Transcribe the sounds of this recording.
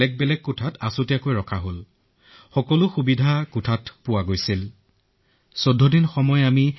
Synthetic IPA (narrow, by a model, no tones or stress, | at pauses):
ɛk̚bɛlɛk̚kutʰatasutijakojɹɔkʰaɦol | xɔkɔlʊxubidʱakutʰatpʊwaɡojsil | sodʱːɔdinxɔmɔjami